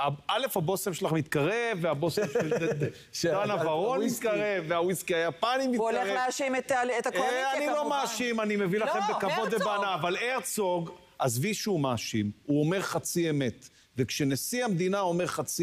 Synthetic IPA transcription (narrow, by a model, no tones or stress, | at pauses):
aale̞fhabo̞semʃelaχmit̪kaʁe̞vːeabosemʃe | ʃet̪anavaʁo̞nmit̪kaʁevːeawiskiajapanimitkaʁeaʃimetlet̪aannilo̞maːʃimanimevilaχembekavo̞d̪ebanaːvaleʁt͡soɡ | ʔazviʃumaːʃimuo̞meʁχat͡siemet̪ | vekʃenesiamd̪inao̞meʁχat͡si